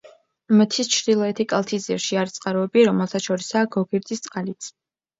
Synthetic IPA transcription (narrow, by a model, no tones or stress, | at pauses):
mət̪ʰist͡ʃʰɾd̪ilˠɔɛt̪ʰikʼalˠt̪ʰiziɾʃiaɾt̪sʼqʼaɾɔɛbiɾɔmɛlˠt̪ʰaʃɔɾisaːɡɔɡiɾd̪zʼist̪sʼqʼalit̪sʰ